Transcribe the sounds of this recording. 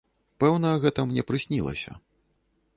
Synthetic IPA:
pɛwnɐɣɛt̪ɐmnʲɛpɾɨsʲnʲilˠɐ̰sʲɐ̰

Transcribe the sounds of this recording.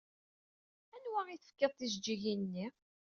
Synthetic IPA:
ænwæʁiθəfkːəðˤθizd͡ʒːiʝinnːi

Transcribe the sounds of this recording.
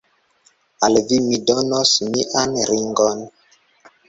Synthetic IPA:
alvimidonosmiʔanɾiŋɡon

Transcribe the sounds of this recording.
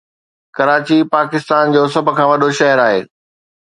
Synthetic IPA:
kɐɾaːt͡ɕipaːkɪst̪aːnd͡ʑoːs̬ɐbʱʊ̆kʰãːʋɐɗoʃɐɦəɾaːɦḛː

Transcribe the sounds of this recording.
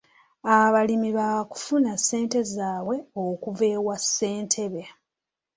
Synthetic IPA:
aβalimiβaku̥funasːe̞ːnte̞zaːβwe̞okuve̞ːɣwasːe̞ːntʰe̞βe

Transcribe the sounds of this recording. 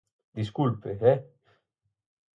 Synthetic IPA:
d̪iskulpevɛ

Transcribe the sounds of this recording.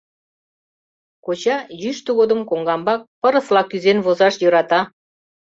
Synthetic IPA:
kot͡ɕɑjyʃt̪uɣod̪əmkoŋɡɑmbɑk̚pə̆ɾə̆slˠɑkyzenβozɑʃjøɾɑt̪ɑ

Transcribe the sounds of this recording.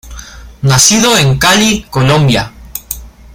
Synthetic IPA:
nasiðoeŋkalikolõmbja

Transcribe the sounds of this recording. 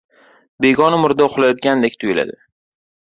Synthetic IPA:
be̞ɡɒnɪmʊɾd̪aʊχlajɒt̪̚kʲand̪ekʲt̪ʰʊjɪla̰d̪ɪ

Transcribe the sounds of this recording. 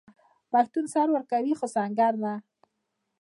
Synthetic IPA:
paxt̪unsaɾwəɾkawixosaŋɡaɾna

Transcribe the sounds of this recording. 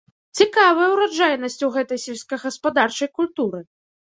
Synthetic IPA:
t͡sʲikavɐjɐwɾad͡ʐajnɐsʲt͡sʲuwɣɛt̪ɐjsʲɛlsʲkɐɣɐspad̪art͡ʂɐjkulʲt̪uɾɨ

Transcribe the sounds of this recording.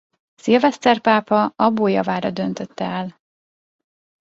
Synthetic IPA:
silvɛst̪ɛrpaːpɒɒboːjɒvaːɾɒd̪ø̞nt̪øt̪ːɛɛl

